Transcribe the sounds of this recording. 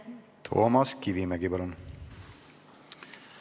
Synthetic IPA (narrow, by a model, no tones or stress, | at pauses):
t̪ʰo̞̰ːmɑskivimeɡipɑlun